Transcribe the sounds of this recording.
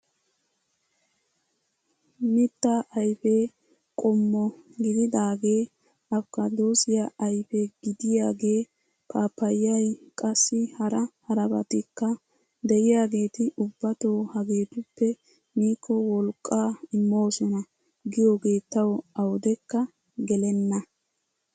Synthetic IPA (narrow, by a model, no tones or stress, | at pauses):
mɪt̪ːaʔɐjfeː | kʼɔmːɔɡɪd̪ɪd̪aːɡe̞ː | ʔɐbkːɐd̪o̞ːsɪjaʔɐjfeɡɪd̪ɪjaːɡe̞ː | kaːpːɐjːɐjkʼɐsːɪhɐɾɐhɐɾɐbɐ̰t̪ɪkːɐ | d̪ɛʔɪjaːɡe̞ːt̪ɪʔʊbːɐt̪oːhɐɡe̞ːt̪ʊpːɛ | miːkːɔwɔlkʼːaːɪmːo̞ːsɔnɐ | ɡɪjo̞ːɡe̞ːt̪ːɐwɐwd̪ɛkːɐ | ɡɛlɛnːɐ